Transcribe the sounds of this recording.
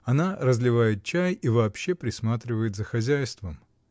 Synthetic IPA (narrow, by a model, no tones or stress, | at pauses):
ɐnaɾəzlʲɪvajɪt̪̚t͡ɕæjivɐːpɕːepɾʲɪsmat̪ɾʲɪvəjɪt̪zəxɐzʲæjst̪vəm